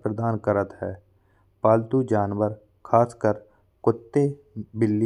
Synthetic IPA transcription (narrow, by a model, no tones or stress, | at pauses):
pɾəd̪aːnkəɾət̪ɦɛː | paːlt̪ud͡ʒaːnʋəɾ | kʰaːskəɾ | kʊt̪ːe | bɪlːi